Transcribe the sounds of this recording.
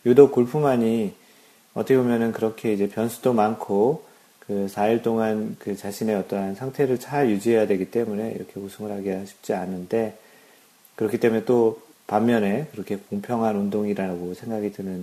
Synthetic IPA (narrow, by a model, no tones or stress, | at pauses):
judok̚k͈oɭpʰumaɲi | ʌt͈ʰʌkʰebomjʌnɯnkɯɾʌkʰe̞id͡ʑe̞pjʌnsʰudomankʰo | kɯsʰaiɭt͈oŋankɯt͡ɕaɕʰine̞ʌt͈ʌɦansʰaŋtʰe̞ɾɯɭt͡ɕʰaɭjud͡ʑiɦe̞jadwe̞ɡit͈e̞mune̞ḭɾʌkʰe̞usʰuŋɯɭɦaɡiaɕʰi̥p̚t͡ɕ͈ianːɯnde̞ | kɯɾʌkʰit͈e̞munet͈o | pamːjʌne̞kɯɾʌkʰe̞koŋpʰjʌŋɦanundoŋiɾaaɡosʰe̞ŋɡaɡidɯnɯn